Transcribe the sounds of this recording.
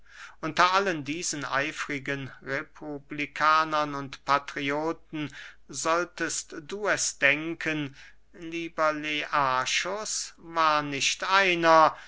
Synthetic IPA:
ʔʊntɐʔaləndiːzənʔa̰ɪfʁɪɡənʁepʰublikʰaːnɐnʊntpʰatʁ̥ioːtn̩ | zɔltəstd̥uːɛsd̥ɛŋkʰən | liːbɐleʔaːʃosvaːɐnɪʃtʔaɪnɐ

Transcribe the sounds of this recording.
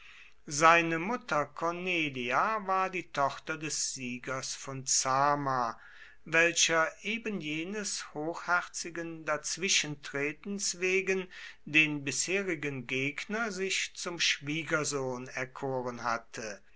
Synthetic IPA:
zaɪnəmʊtɐkʰɔneːliavaːɐdiːtʰɔχtɐdɛsz̥iːɡɐsfɔnt͡saːma | vɛlɕɐʔeːbənjeːnəshoːxhɛʁt͡sɪɡəndat͡sv̥ɪʃəntʁ̥eːtn̩sveːɡəndeːnbɪsheːʁɪɡənɡeːɡnɐzɪçt͡sʊmʃv̥iːɡɐzoːnɛɐkʰoːʁənɦa̰tʰə

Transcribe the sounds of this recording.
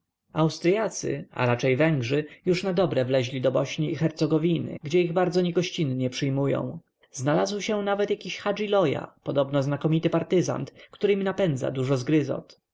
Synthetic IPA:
awst̪ɾjat̪sɘ̰a̰ɾat͡ʂɛjvɛŋɡʐɘjuʂnad̪ɔbɾɛvlɛʑlʲid̪ɔbɔɕɲiːxɛɾt̪sɔɡɔvʲinɘ̰ɡd͡ʑɛiɣbaɾd̪zɔɲɛɡɔɕt͡ɕinɲɛpʂɘjmujɔ̰̃w̃ | znalazwɕɛnavɛt̪jakʲiɕxad͡ʐilɔja̰pɔd̪ɔbnɔznakɔmʲit̪ɘpaɾt̪ɘza̰nt̪kt̪uɾɘmʲinapɛnd̪za̰d̪uʐɔzɡɾɘzɔ̰t̪

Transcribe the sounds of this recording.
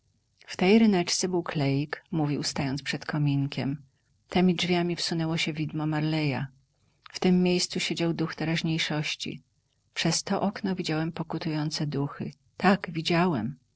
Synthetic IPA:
ft̪ɛjɾɘnɛt͡ʂt̪sɛbɘwklɛjikmuvʲiwst̪ajɔnt̪spʂɛt̪kɔmʲiŋkʲɛm | t̪ɛmʲid͡ʐvʲjamʲifsunɛwɔɕɛvʲid̪mɔmaɾlɛja̰ | ft̪ɘmːjejst̪suɕed͡ʑawd̪uxt̪ɛɾaʑɲejʂɔɕt͡ɕḭ | pʂɛst̪ɔʔɔknɔvʲid͡ʑawɛmpɔkut̪ujɔnt̪sɛd̪uxɘ̰ | t̪aɡvʲid͡ʑawɛm

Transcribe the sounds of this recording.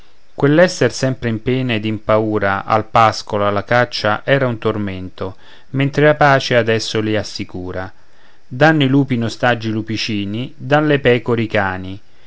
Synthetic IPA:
kwelːɛsːersɛmpɾeɪimpɛːned̪impauːɾaʔa̰lpaskolalːakat͡ʃːaʔɛːɾaunt̪orment̪o | ment̪ɾelapaːt͡ʃead̪ɛsːoliasːikuːɾa | d̪anːiluːpinost̪ad͡ʒilupit͡ʃiːnid̪alːepɛːkoɾikaːni

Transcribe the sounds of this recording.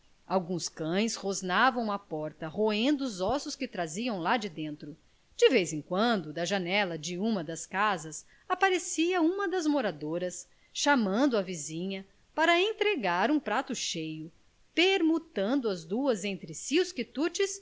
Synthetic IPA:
awɡũskɐ̃j̃shoznavɐ̃w̃ɐpɔɾt̪ɐhoẽnd̪ʊːzɔsʊskɪt̪ɾaziɐ̃w̃lad͡ʒɪd̪ẽnt̪ɾʊ | d͡ʒɪvejzẽkwɐ̃nd̪ʊd̪ɐʒanɛlɐd͡ʒɪũmɐd̪ɐskazɐs | apaɾesiɐũmɐd̪ɐzmoɾad̪oɾɐs | ʃamɐ̃nd̪ʊɐvizĩɲɐ | paɾɐẽnt̪ɾeɡaɾũpɾat̪ʊʃejʊ | peɾmut̪ɐ̃nd̪ʊɐzd̪uɐzẽnt̪ɾɪsiʊskit̪ut͡ʃɪs

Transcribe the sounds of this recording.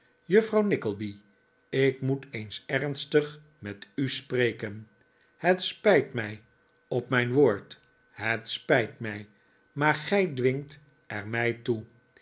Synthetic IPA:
jɵfrɑwnɪkəlˠbi | ɪkmutejnsɛɹnstəχ | mɛtysprejkən | hətspɛjtmɛj | ɔpmɛjnʋoːɹt | ɦətspɛjtmɛj | maːɹχɛjdʋɪŋt | ʔɛɹmɛjtu

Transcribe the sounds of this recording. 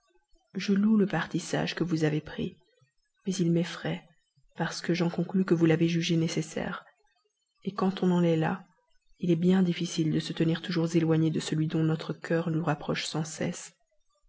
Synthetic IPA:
ʒəluləpaʁt̪isa̰ʒkəvuzavepχḭ | mɛzilmɛfχɛ | paʁsə̥kəʒɑ̃kɔ̃klykəvulaveʒyʒenesesɛ̰ːʁ | ekɑ̃t̪ɔ̃nɑ̃lɛla | ilɛbjɛ̃d̪ifisild̪əsət̪əniʁt̪uʒuʁzelwaɲed̪əsəlɥid̪ɔ̃nɔt̪χəkʲʰœːʁnuʁapχɔʃsɑ̃sɛ̰s

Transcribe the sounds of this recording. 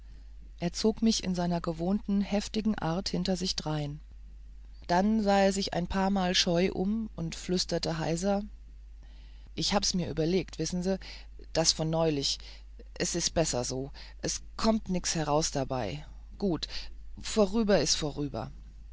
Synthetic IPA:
ʔeːɐt͡soːkmɪçɪ̰nzaɪnɐɡəvoːntn̩hɛftɪɡŋ̩ʔa̰ɐthɪntɐzɪçd̥ʁaɪn | d̥anzaːeːɐzɪça̰ɪnpʰaːɐmaːlʃɔʏʔʊ̰mʊntflʏstɐtəɦa̰ɪzɐ | ʔɪçhaːbəsmiːɐʔyːbɐleːktv̥ɪsn̩ziː | d̥asfɔnːɔʏlɪç | ʔɛsɪst̚b̥ɛsɐ̰zoː | ʔɛskʰɔmtnɪkt͡sshɛʁ̞aʊsd̥aba̰ɪ | ɡ̥uːtfoʁyːbɐɪstfoʁyːbɐ̰

